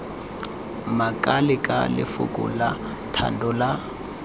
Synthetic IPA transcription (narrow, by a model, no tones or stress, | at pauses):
makʼalɪkʼalɪ̰fʊ̰kʼʊ̰la | tʰa̰ndɔla